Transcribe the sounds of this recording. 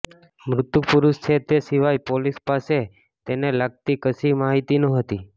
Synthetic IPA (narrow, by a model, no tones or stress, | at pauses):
mɾʊt̪jupuɾuʃt͡ʃʰet̪esiʋajpolispase | t̪enelaɡ̚t̪ikəsimaɦit̪inõɦət̪i